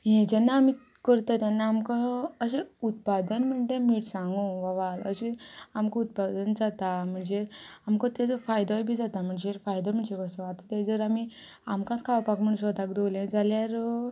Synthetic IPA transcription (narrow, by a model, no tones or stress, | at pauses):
ɦẽd͡ʑanːaːmi | kəɾt̪at̪janːaːmkaəɕeut̪̚pad̪ənm̤əɳʈ̪emiʈsãŋɡũʋaʋalə̰ɕeamkaut̪̚pad̪ənd͡zat̪am̤əɳd͡zeamkat̪ed͡zɔfajd̪ɔjbʱiːd͡zat̪am̤əɳd͡zefajd̪ɔm̤əɳd͡zekəsɔat̪at̪ad͡zəɾami | amkãt͡skʰaʋpakm̤əɳɽuɕɔd̪akd̪oljãd͡zaljaɾ